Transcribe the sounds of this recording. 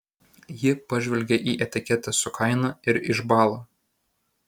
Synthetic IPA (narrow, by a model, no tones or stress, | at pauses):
jɪpɐʒʲʋʲɛlʲɡʲɛʔiːʔɛt̪ʲɪkʲɛt̪ʲɛsʊkʰɐɪnɐɪɾɪʒbɑːlˠoː